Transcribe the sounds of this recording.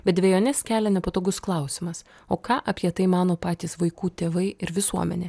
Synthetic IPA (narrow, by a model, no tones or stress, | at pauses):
b̥ʲɛt̪d̪ʲʋʲeːjoːnʲɛskʲæːlʲɛnʲɛpɐt̪oːɡʊsklˠɐʊsʲɪmɐs | oːkɑːʔɐpʲiɛt̪ɐɪmɑːnoːpɑːt̪ʲiːsʋɐɪkuːt̪ʲeːʋɐɪɪɾʋʲɪsuɔmʲɛ̰nʲeː